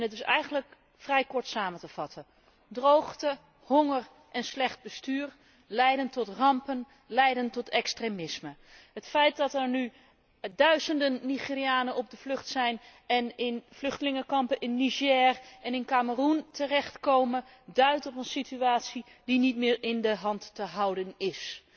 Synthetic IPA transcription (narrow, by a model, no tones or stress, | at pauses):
ɛnətɪsɛ̰jɣəndlək | frɛjkɔɹtsaːməntəfɑtʰə | drowxtə | hoŋər | ʔɛnslɛχt̚bəstyːɹ | lɛjdəntɔtrɑmpən | lɛjdəntɔtʰɛkstremɪsmə | hətfɛjt̚dɑtɛɹny | dœɥzəndənːiχiːrijaːnənɔb̚dəvlɵχtsɛjnɛnɪnvlɵχtəlɪŋəkɑmpənʔɪnːiʒɛːrɛnɪnkaːməruntʰərɛχtkowmə | dœɥtɔpənsityaːtsi | dinitmɪːɹɪndəɦɑntːəɦɑwdənɪs